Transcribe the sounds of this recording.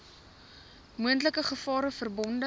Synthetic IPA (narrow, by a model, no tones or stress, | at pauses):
muəntləkəχəfɑːɾəfərbɔndə